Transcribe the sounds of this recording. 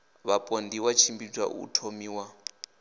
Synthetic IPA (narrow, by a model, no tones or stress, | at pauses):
βapʼondiwat͡ʃʰimbid͡zwa̰ʔṵtʰomiːwa